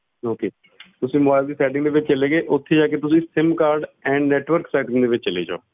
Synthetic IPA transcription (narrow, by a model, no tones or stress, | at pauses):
oːkeː | t̪ʊsĩːmbaːɪld̪iːsɛːʈɪŋɡd̪eːʋɪt͡ʃt͡ʃəleːɡeːʔʊt̪ʰːeːd͡ʒaːkeːt̪ʊsĩːsɪmkaːɾɖɛ̃ːnɛːʈʋəɾksɛːʈɪ̃ŋd̪eːʋɪt͡ʃt͡ʃəlḛːd͡ʒa̰ː